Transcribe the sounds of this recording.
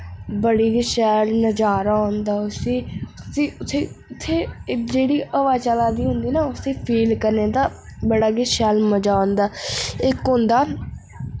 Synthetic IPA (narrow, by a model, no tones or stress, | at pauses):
bəɽiːɡɪʃɛːlnəd͡ʒaːɾaond̪aːʊsiːsiːʊt̪ʰːeːʊt̪ʰːeːd͡ʒeːɽiːəʋaːt͡ʃaːlaːd̪iːɦʊnd̪iːnaːʊst̪eːpʰiːlkəɾneːd̪aːbəɽaːɡɪʃɛːlməd͡ʒaːond̪aːɪkɦʊ̃nd̪aː